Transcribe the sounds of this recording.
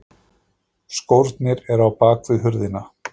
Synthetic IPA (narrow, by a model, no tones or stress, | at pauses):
skowɾt̪nɪɾɛɾawpaːkvɪðɦʏɾðɪna